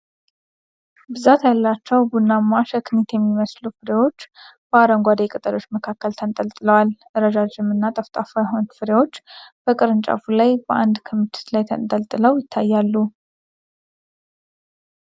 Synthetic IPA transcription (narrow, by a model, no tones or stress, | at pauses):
bɨzat̪jalːat͡ʃːɛwɡunːamːaʃəkʰɨnit̪ʰjɛmːiməslufɨɾewo̞t͡ʃːb̥əaɾəŋɡʷad̪ekʼɨt̪ʼəlo̞t͡ʃːməkʰakːəlt̪ʰənt̪ʼəlt̪ʼɨləwalʔɨɾəd͡ʒad͡ʒɪmɨnːat̪ʼəft̪ʼafajaɦont̪fɨɾewo̞t͡ʃːb̥əkʼɨɾɨnt͡ʃʼa̰fulajbəʔand̪kʰomit̪ʰɨ̥t̪lajt̪ʰənt̪ʼəlt̪ʼɨləwjɪt̪ʰːajːalːu